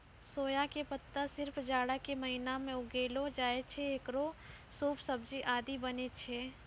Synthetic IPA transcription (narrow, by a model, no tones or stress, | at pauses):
soːjakepɐt̪ːasɪɾfd͡ʒaːɽakemɐɦɪnamẽʊɡeːlod͡ʒaːet͡ʃʰeekɾo | suːpsɐb̚d͡ʒiʔaːd̪ibɐnet͡ʃʰeː